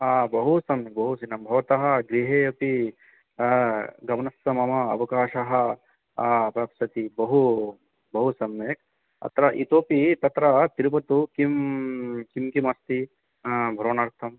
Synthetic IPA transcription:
abɐɦusɐmek̚bɐɦusinɐmbʱɐʋɐt̪ɐɦɐ̆ɡɾiɦeːɐpi | ɡɐmɐnɐsɐmɐmɐɐ̰ʋɐkaːʃɐɦɐ̆ | pɐpsɐt̪ibɐɦu | bɐɦusɐmːeːk̚ | ɐ̰t̪ɾɐʔit̪oːpit̪ɐt̪ɾɐt̪iɾupɐt̪ukim | kimkimɐst̪i | bʱɐɾoːnaːɾt̪ʰɐm

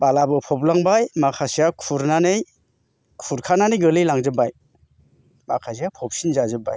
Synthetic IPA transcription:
balabɯpʰɔplaŋbajmakʰasijakʰuɾnanɯj | kʰuɾkʰananɯjɡɯlɯjlaŋzɯbaj | makʰasijapʰɔp̚sinzazɯba̰j

